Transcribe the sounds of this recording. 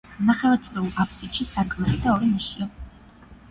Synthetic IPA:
naχɛvɔɾt̪sʼliulˠapʰsiʃisakʼvɛlid̪aɔɾiniʃia

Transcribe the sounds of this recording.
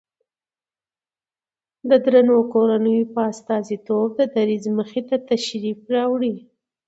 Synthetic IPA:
d̪əd̪ɾanokoɾanəjopəast̪ɑzit̪ob̚d̪əd̪aɾizməxet̪at̪aʃɾifɾɑwɽi

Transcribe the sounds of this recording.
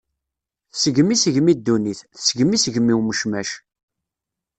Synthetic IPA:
θsəɡmisəʝmid̪ːuniθθsəɡmisəʝmiuməʃmæʃ

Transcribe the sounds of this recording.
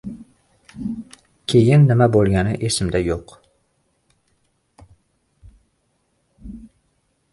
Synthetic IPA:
kʲʰe̞jɪnːɪmabolˠɡʲanɪʔesɪmd̪ajoq

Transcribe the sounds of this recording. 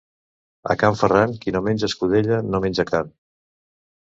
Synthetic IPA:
ə̰kaɱfəraŋkinomenʲd͡ʒəskuð̞eʎənomenʲd͡ʒəkam

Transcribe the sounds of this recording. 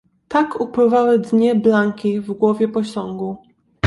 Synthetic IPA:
t̪akʰupwɘvawɘd̪ɲɛblaŋkʲivɡwɔvʲjɛpɔɕɔŋɡu

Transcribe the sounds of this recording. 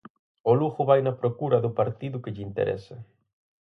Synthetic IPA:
oluɣʊβajnapɾokuɾɐðʊpaɾt̪iðʊkeʎint̪ḛɾʔɛ̰sa

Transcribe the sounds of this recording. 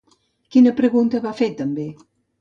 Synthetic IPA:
kinəpɾəɣunt̪əβafet̪ːəmbe

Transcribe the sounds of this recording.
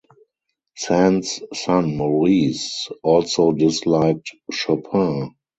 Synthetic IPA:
sɛ̃nsːãnmɔɹiːsɔlsoʊdɪslaɪk̚tʃapʰã

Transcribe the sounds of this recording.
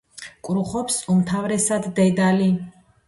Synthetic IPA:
kʼɾuχɔpsumt̪ʰavɾɛsad̪ːɛd̪ali

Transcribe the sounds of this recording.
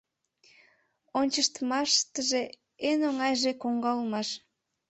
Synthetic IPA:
onʲt͡ɕəʃt̪əmɑʃt̪əʒe | enoŋɑjʒekoŋɡɑlmɑʃ

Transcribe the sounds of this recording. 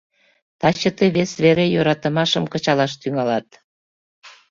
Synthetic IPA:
t̪ɑt͡ɕət̪eβesβeɾejøɾɑt̪əmɑʃəmkət͡ɕɑlɑʃt̪yŋɑlɑt̪

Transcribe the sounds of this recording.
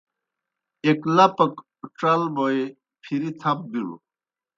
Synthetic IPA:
eklɐpɐk | ʈ͡ʂɐlmoe | pʰiɾit̪ʰɐp̚biɽṵ

